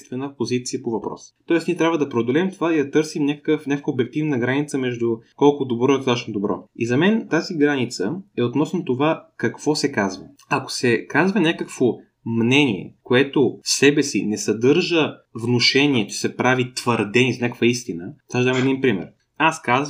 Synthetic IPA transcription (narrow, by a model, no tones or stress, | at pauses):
st̪vɛnəpozit̪sijəpovɐpɾɔ̰sə̥t̪ɔɛsniɛt̪ɾavəd̪ɐpɾɛod̪olɛmt̪ovaid̪ɐt̪ɤɾsimnʲakə̥kəfnʲakəkvəobɛk̚t̪ivnəɡɾanit̪səmɛʒd̪ukɔlˠkʊd̪obɾɔɛot̪at͡ʃnod̪obɾɔ̰izɐmɛnt̪aziɡɾanit̪səɛot̪nɔsnot̪ovakɐkv̥ɔsɛkazvə̰ | ɐko̥sɛkazvɐnʲakəkv̥o | mnɛnʲiɛ̰koɛt̪osɛbɛsḭnɛsɐd̪ɤɾʒə | vnoʃɛniɛt͡ʃɛ̥sɛpɾavit̪vəɾd̪ɛniznʲakkvəist̪inət̪aʒd̪amɛd̪inpɾimɛ̰ɾ | askazv